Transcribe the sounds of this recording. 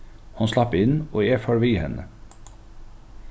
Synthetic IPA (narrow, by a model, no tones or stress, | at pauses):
hʊnslɑpɪnoːeːfɑːɹʋiːhɛ̰nə̰